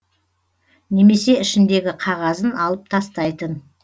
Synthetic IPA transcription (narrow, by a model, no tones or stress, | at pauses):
ne̞me̞se̞ɪʃɪnd̪e̞ɡʲɪqʰɑʁɑzənɑlˠəp̚t̪ʰɑst̪ɑjt̪ən